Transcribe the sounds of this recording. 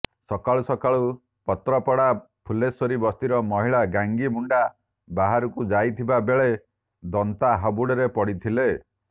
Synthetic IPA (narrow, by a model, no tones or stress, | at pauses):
sɔkaɭusɔkaɭu | pɔt̪ɾɔpɔɽa | pʰulesɔɾibɔst̪iɾɔmɔɦiɭaɡaŋɡimuɳɖa | baɦaɾukud͡ʒajt̪ʰibabeɭe | d̪ɔnt̪aɦabuɽɔɾepɔɽit̪ʰile